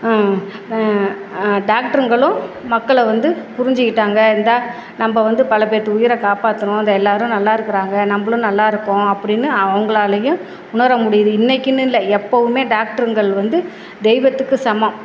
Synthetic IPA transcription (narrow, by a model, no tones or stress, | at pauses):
ɖaːk̚ʈɐɾɐŋɡɐɭʊ̃ | mɐkːɐɭʋɐnd̪ɯpʊɾɪɲd͡ʒɯkːɪʈːaːŋɡɐnd̪aː | nɐmːɐʋɐnd̪ɯpɐlɐpeːʈ̪ːɯʊjɪɾɐkaːpaːt̪ːɯɳʊ̃ɐnd̪ɐɛlːaːɾʊ̃nɐlːaːɪɾɯkːɪɾaːŋɡɐnɐmbɐɭʊ̃nɐlːaːɪɾɯkːʊ̃ɐpːɐɽɪnːɯɐʋɐŋɡɐɭaːɭɐjʊ̃ | ʊnɐɾɐmʊɽɪjɐðɯɪnːɐɪkːɯnːɯɪlːɐɛpːɐʋɯmeːɖaːk̚ʈɐɾŋɡɐɭʋɐnd̪ɯ | d̪ɛɪʋɐt̪ːɯkːɯsɐmɐ̃